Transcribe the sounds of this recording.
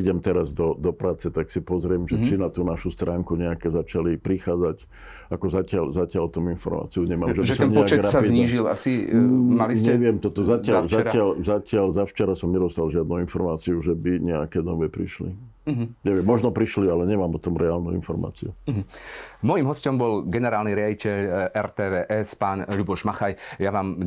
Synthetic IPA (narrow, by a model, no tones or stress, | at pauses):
iɟɛmt̪ɛɾazd̪ɔd̪ɔpɾaːt͡sɛt̪aksipɔzɾɪɛmʒɛt͡ʃinat̪uːnaʃust̪ɾaːŋkuɲɛakɛzat͡ʃalipɾixaːd͡zac | akɔzacɪalzacɪalt̪ɔminfɔɾma̰ːt͡siuɲɛmaːmʒɛʒiɛsɔɛnɲɛaɡt͡ʃɛɾasapid̪ɲiːʒila̰simaliɲɛʋɪɛmt̪ɔt̪ɔzacɪalaɾɪalzacɪalzaft͡ʃɛɾasɔmɲɛd̪ɔst̪alʒɪad̪̚nuinfɔɾmaːt͡siuʒɛbiɲɛa̰kɛd̪ɔʋɛpɾḭʃlḭ | ɲɛʋɪɛmːɔʒnɔpɾiʃlialɛɲɛmaːmpɔt̪ɔmɾɛaːlnuḭnfɔɾma̰ːt͡siuɦmɔjimɦɔscɔmbɔlɡɛnɛɾaːlniɾɪaɟicʰɛʎɛɾt̪ɛːʋɛːʔɛspaːnʎubɔʒmaxajjaʋaːm